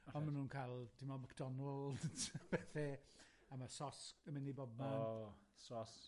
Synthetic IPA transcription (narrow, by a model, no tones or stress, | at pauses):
ɔnmanuːnkʰalˠd̥ɪmɔmakd̥ɔnɔlˠdtpɛːθɛ | amasɔsəmɪnibɔb̚ma | sɔs